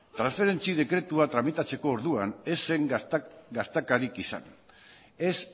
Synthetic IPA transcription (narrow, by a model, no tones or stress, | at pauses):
t̪ɾansfe̞ɾe̞nt͡sið̞e̞kɾe̞t̪uat̪ɾamit̪at͡se̞ko̞ːɾðuane̞se̞ŋɡast̪ekaɾikisa̰n | es